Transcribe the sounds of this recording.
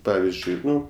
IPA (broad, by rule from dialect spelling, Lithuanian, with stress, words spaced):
ˈpɑːʋʲɪzʲd͡ʒʲʊɪ ˈnʊ